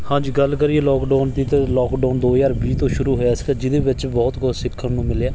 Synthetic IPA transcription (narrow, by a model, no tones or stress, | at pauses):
hãːd͡ʒiːɡəlkəɾiːeːlɔːkɖɔːnt̪it̪elɔːkɖaːnd̪oːjaːɾbiːt̪õːʃʊɾuːɦoːjaːsɡaːd͡ʒɪd̪eːʋɪt͡ʃbɔːt̪ɡɔːt̪sɪkʰːənũːmɪlaː